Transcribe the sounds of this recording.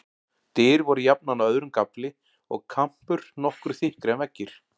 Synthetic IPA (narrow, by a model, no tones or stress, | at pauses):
t̪ɪːɾvɔɾʏjap̚nanaœðɾʏmkaplɪ | ɔɣkʰam̥pʏɾ̥nɔhkɾʏ̥θɪhkɾɛnvɛcːɪɾ̥